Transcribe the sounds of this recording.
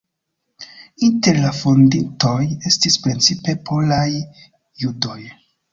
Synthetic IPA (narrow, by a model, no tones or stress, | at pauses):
inte̞ɾlafondinto̞je̞stispɾent͡sipe̞pʰo̞lajː | udo̞j